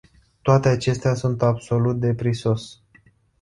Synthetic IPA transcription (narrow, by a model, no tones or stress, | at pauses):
t̪oat̪e̞at͡ʃe̞st̪easunt̪abso̞lut̪̚d̪e̞pɾiso̞s